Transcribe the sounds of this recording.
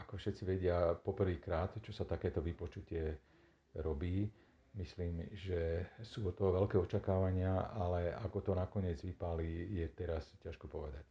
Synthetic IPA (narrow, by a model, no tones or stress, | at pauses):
akɔfʃɛt̪t͡siʋɛɟɪapɔpr̩ʋiːkɾaːt̪t͡ʃɔsat̪akɛːt̪ɔʋipɔt͡ʃucɪɛ | ɾɔbiː | misliːmʒɛsuːɔt̪ːɔɦɔʋɛlkɛːɔt͡ʃakaːʋaɲɪaalɛa̰ɡɔt̪ɔnakɔɲɪɛd͡zʋipalijɛt̪ɛɾascaʃkɔpɔʋɛd̪ac̚